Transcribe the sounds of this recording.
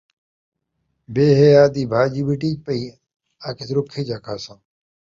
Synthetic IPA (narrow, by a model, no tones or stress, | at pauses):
beːɦeːaːd̪iːbʱaːd͡ʒibiʈiːd͡ʒpɐiː | aːkʰɪt̪ɾʊkʰːeːd͡ʒaːkʰaːsãː